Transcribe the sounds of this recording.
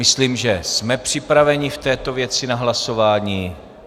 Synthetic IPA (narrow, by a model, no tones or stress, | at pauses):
ɪsliːmʒɛsmɛpr̝̥ɪpɾavɛɲɪft̪ɛːt̪o̞vjɛt͡sɪnaɦlaso̞vaːɲiː